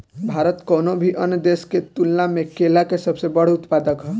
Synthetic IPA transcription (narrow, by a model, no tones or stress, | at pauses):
bʱaɾət̪koːnobʱiʔənd̪esket̪ulnãmẽkelakesəbsebəɽ̤ʊt̪paːd̪əkɦɛ